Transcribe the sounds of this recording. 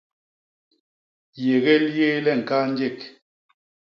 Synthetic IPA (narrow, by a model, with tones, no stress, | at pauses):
je˨ɣe˦lje˦lɛ˦˨ŋ̩˨ka˦n˦d͡ʒe˦˨k̚